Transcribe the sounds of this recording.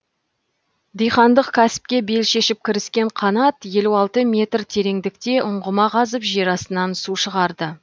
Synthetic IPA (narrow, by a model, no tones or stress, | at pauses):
d̪ijχɑnd̪əqkʲʰæsɪ̥p̚kʲe̞be̞lʃe̞ʃɪp̚kʲʰɪɾɪskʲe̞ɴqʰɑnɑt̪je̞luɑlˠt̪əmʲe̞t̪rt̪ʰe̞ɾe̞ŋd̪ɪk̚t̪e̞ʔʊɴʁəmɑqʰɑzəpʒeɾɑsənɑnsuʃəʁɑɾd̪ə